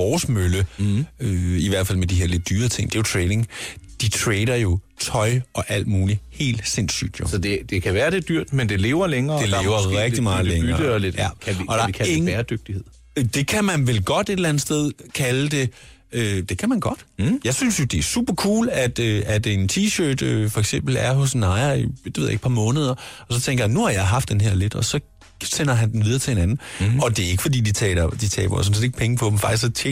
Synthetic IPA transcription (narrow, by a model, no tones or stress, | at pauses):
ʋɒːsmøləøiʋæɐ̰d̥fæl̰med̥iɦe̝ɐle̝d̥̚ːyːɐt͡sʰe̝ŋ̰d̥e̝jo̝t͡sʰʁɛɪne̝ŋd̥it͡sʰʁɛɪɾ̥ɐjo̝t͡sʰɒ̽ɪʔɒ̽ʔæl̰d̥muːlihe̝̰ːld̥se̝n̰sy̰ːd̥jo̝sɒd̥e̝d̥e̝kʰæʋæːɐd̥e̝d̥yɐ̰d̥mend̥e̝le̝ːʊɐleŋɐːd̥eleːʊɐʁɛɡ̥imɑ̈ːð̩ˠleŋɐəled̥jæɒ̽d̥ɑkʰæeŋbæɐd̥øɡ̥̚d̥ie̝ð̰ˠ | d̥e̝kʰæmænʋelɡ̥ɒ̽d̥e̝delæn̩ˠsd̥eð̞ˠkʰæləd̥e̝ | ød̥e̝kʰæmænɡ̥ɒ̽d̥jɑ̈ɪsynsjo̝d̥e̝æɐsṵːb̥ɐkʰṵːlæd̥øæd̥ent͡sʰiːɕøːd̥øfɒ̽eɡ̥sem̰b̥l̩æɐɦɔ̽snɑ̈ɪɐid̥eeðˠjeɡ̥pʰɑ̈mɔ̽ːnəð̞ˠɐɒ̽sɒ̽t͡sʰeŋɡ̥ɐjænːuhɑ̈jɑ̈ɪɦɑ̈fd̥enɦeɐ̰le̝d̥ɒ̽sɒ̽ | sen̰ɐɦænd̥en̩ʋið̞ˠɐt͡sʰe̝he̝nænn̩ɒ̽d̥e̝æɐe̝ɡ̥əfɒ̽d̥ḭːd̥it͡sʰɛ̰ːd̥it͡sʰɛ̰ːb̥ɐsɔ̽n̩sed̥e̝ɡ̥̚pʰeŋəpʰɒ̽bemfɑ̈ɡ̥̚ist͡sʰe